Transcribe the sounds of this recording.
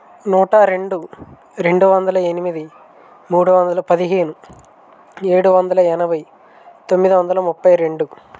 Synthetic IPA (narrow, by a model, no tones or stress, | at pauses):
nuːʈɐɾe̞ɳɖu | ɾe̞ɳɖuʋɐnd̪ɐlɐenimid̪i | muːɽuʋɐnd̪ɐlɐpɐd̪iɦeːnu | e̞ːɽuʋɐnd̪ɐlɐɛnɐbɐj | t̪o̞mːid̪iʋɐnd̪ɐlɐmupːɐjɾe̞ɳɖu